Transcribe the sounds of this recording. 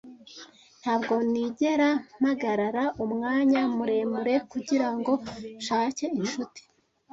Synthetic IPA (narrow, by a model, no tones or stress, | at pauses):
n̥haːbɡo̞niɟe̞ɾam̥haɡaɾaɾaʔumŋaːɲamuɾe̞ːmbuɾe̞kuɟiɾaŋɡo̞ʃaːce̞inʃuti̥